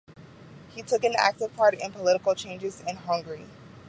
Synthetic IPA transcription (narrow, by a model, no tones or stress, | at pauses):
hitʰʊkɨ̃næ̰k̚tɨv̥pʰɑɹɾɪ̰̃npʰəlɪɾəkl̩ˠt͡ʃʰẽɪ̃nd͡ʒɨzɪ̃nɦʌ̃ŋɡə˞i